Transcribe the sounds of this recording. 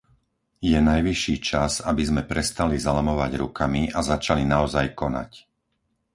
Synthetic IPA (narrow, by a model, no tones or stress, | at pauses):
jɛnajʋiʃːiːt͡ʃazabizmɛpɾɛst̪alizalamɔʋaɟɾukamiʔazat͡ʃalinaɔzajkɔna̰c